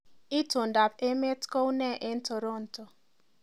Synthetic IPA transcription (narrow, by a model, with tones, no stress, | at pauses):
i˦tʊ˨n̩˨da˨pe˦me˦tko˦u˦ne˦˨ʔe˦n̩˦to˨ɾo˦n̩˨to˨